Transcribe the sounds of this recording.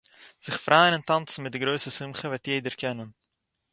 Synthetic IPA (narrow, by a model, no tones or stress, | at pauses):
z̥əχfrʔaːənɛntɑnsənmɛt̚dəɡɾoːsəsəmχəvatjeːdərkɛnən